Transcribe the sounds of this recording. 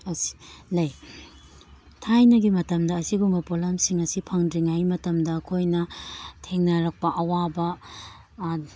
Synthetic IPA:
ɐsi̥lɐj | tʰajnɐɡimɐtɐmdɐːsiɡuŋɐpolamsiŋɐsipʰɐŋdɾiŋajmɐtɐmdɐːkʰojnɐtʰeŋnɐɾɐk̚pɐʔɐwabɐ

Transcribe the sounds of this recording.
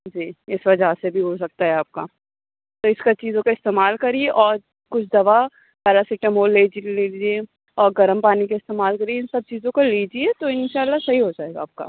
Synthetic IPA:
d͡ʒiːɪsʋɐd͡ʒʱasebʱiɦos̬ɐk̚t̪aɦɛaːp̚ka̰ː | t̪oɪskat͡ʃiːzõkaɪst̪eːmaːlkɐɾieʔɔːɾ | kʊt͡ʃʰd̪ɐʋa | kaɾasɪʈəmɦoleːd͡ʒileːd͡ʒie | ɔːɾɡɐɾəmpaːnikaɪst̪eːmaːlkɐɾieɪ̃nsɐb̚t͡ʃiːzõkoliːd͡ʒiet̪oɪ̃nʃaːlːasɐɦiɦod͡ʒaːeːɡa̰ːp̚ka̰ː

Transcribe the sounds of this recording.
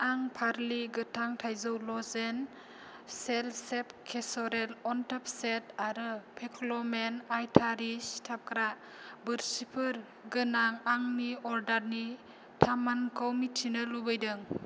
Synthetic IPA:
aŋpʰaɾliɡɯtʰaŋtʰajzawlɔzen | selsep̚kʰesɔɾelɔntap̚setaɾɯpʰekʰlɔmenajtʰaɾistʰap̚kɾa | bɯɾsipʰɯɾ | ɡɯnaŋaŋniɔɾdaɾni | tʰamankʰawmitʰːinɯlubɯjdɯŋ

